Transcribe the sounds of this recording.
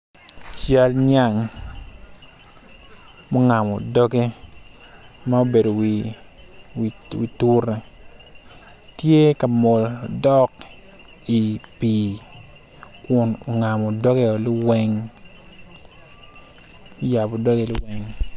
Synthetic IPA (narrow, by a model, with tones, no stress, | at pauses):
t͡ʃja˦lɲa˦˨ŋ | mo˦ŋa˨mɔ˨dɔ˦ke˦ | ma˦o˦be˨do˨wi | wi˨tu˦ɾe˦ | tje˦ka˨mɔ˨l | dɔ˦k | i˨ | pi˨ | kʊ˨no˨ŋa˨mɔ˨dɔ˦ke˦ɔ˨lɪ˦wɛ˦ŋ | i˦ja˨bɔ˨dɔ˦ke˦lɪ˦wɛ˦ŋ